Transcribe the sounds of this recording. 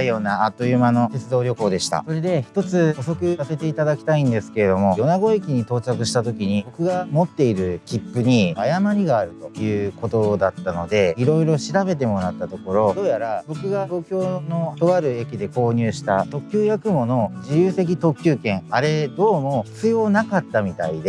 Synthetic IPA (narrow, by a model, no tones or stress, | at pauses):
jo̞ːnaːt̪ːo̞jɯmano̞t̪e̞t͡sɨd̪o̞ːɾʲo̞ko̞ːd̪e̞ɕi̥t̪a̰so̞ɾe̞d̪e̞çi̥t̪o̞t͡sɨoso̞kɯ̟sase̞t̪e̞it̪ad̪akʲi̥t̪aĩnd̪e̞sɨ̥ke̞ɾe̞d̪o̞mo̞jo̞naɡo̞ekʲiɲ̟it̪o̞ːt͡ɕakɯ̟ɕi̥t̪at̪o̞kʲiɲ̟ibo̞kɯ̟ɡamo̞t̪ːe̞iɾɯ̟kʲipːɯ̟ɲ̟iajamaɲiɡaːɾɯ̟t̪o̞jɯ̟ːko̞t̪o̞d̪at̪ːano̞d̪e̞iɾo̞iɾo̞ɕiɾabe̞t̪̬e̞mo̞ɾat̪ːat̪o̞ko̞ɾo̞d̪o̞ːjaɾabo̞kɯ̟ɡat̪o̞ːkʲo̞ːno̞t̪o̞βaɾɯ̟e̞kʲid̪e̞ko̞ːɲ̟ɨːɕi̥t̪at̪o̞kʲjɨːjakɯ̟mo̞no̞d͡ʑijɯːse̞k̬ʲit̪o̞kʲːɨːkẽ̞ŋ̃aɾe̞d̪o̞ːmo̞t͡sɨjo̞ːnakat̪ːamʲit̪a̰id̪e